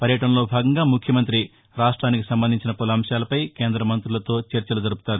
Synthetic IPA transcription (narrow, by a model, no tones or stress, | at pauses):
pɐɾjɐʈɐnɐlo̞ːbʱaːɡɐŋɡaːmukʰjɐmɐnt̪ɾi | ɾaːʂʈɾaːnikisɐmbɐnd̪iɲt͡ʃinɐpolɐɐmʃjaːlɐpɐjkeːnd̪ɾɐmɐnt̪ɾulɐt̪o̞ːt͡ʃeɾt͡ʃɐlɐd͡ʒɐɾupu̥t̪aːɾu